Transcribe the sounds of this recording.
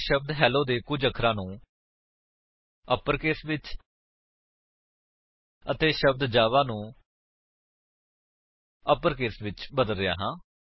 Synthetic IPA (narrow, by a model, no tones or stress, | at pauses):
ʃəb̚d̪ɦɛːloːd̪eːkʊd͡ʒəkʰɾãːnũː | əpːəɾkeːsʋɪt͡ʃ | ət̪eːʃəb̚d̪d͡ʒaːʋaːnũː | əpəɾkeːsʋɪt͡ʃbəd̪əlɾɪja̰ːɦãː